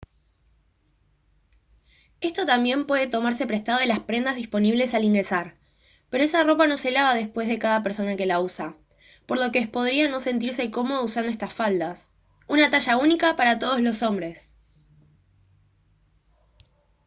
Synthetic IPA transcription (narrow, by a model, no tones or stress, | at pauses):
e̞st̪o̞t̪ambje̞mpwe̞ð̞e̞t̪o̞maɾse̞pɾe̞st̪að̞o̞ðelaspɾe̞nd̪azðispo̞niβle̞saliŋɡɾe̞saɾ | pe̞ɾo̞e̞saro̞pano̞se̞laβað̞e̞spwe̞zðe̞kaðap̬eɾso̞nake̞lausa | po̞ɾlo̞keespo̞ð̞ɾiano̞se̞nt̪̬iɾse̞ko̞mo̞usand̪oest̪asfald̪as | unat̪aʃaunikapaɾat̪o̞ð̞o̞zlo̞so̞mbɾe̞s